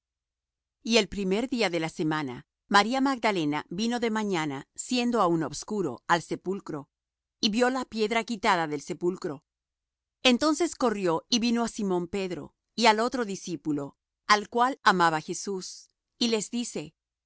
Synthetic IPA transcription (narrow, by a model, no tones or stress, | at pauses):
ie̞lpɾime̞ɾðiaðe̞lase̞mana̰ | maɾiamaɡ̚d̪ale̞nabino̞ðe̞maɲanasje̞nd̪o̞auno̞bskuɾo̞̰alse̞pulkɾo̞ | iβjo̞lapje̞ðɾakit̪aðaðe̞lse̞pulkɾo̞ | e̞nt̪o̞nse̞sko̞rjo̞iβino̞asimõ̞mpe̞ðɾo̞̰ | ialo̞t̪ɾo̞ðisipulo̞ | alkwalamaβaxe̞sus | ile̞zðise̞